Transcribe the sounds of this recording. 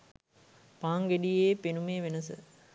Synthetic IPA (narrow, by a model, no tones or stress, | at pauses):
paːŋɡeɖijeːpenumeːʋenɐsɨ̰